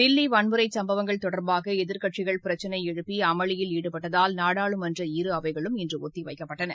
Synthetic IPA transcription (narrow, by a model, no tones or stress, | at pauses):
ɖɪlːiʋɐɳmɯɾɐɪsɐmbɐʋɐŋɡɐɭt̪ɔɽɐɾbaːɣɐɛðɪɾkɐʈt͡ʃɪɣɐɭpɪɾɐt͡ʃːɐnɐɪɛɻɯpːiɐmɐɭɪjɪliːɽɯpːɐʈːɐðaːlnaːɽaːɭɯmɐndrɐiɾɯɐʋɐɪɣɐɭɯmɛndrɯɔt̪ːiʋɐɪkːɐpːɐʈːɐnɐ̰